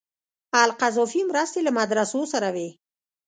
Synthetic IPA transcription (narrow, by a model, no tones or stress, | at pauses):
alqazɔfimɾast̪elamad̪ɾasosaɾawe